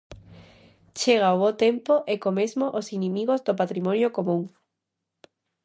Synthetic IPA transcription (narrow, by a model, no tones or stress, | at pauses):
t͡ʃeɣ̞aoβot̪empoʔekomezmoʔosinĩmiɣ̞ozd̪opat̪ɾimɔ̃njokomũŋ